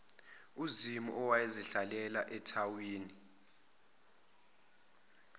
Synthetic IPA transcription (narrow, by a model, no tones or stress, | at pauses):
uzimuʔɔwaeziɬalɛlaʔɛtʰawiːni